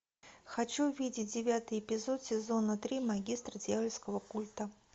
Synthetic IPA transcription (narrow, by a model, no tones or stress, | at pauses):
xɐt͡ɕuvʲidʲɪt̚ʲdʲɪvʲat̪ɨjɪpʲɪzot̪sʲɪzo̞nət̪ɾʲimaɡʲist̪rədʲjavʲɪlʲskəvəkulʲt̪ə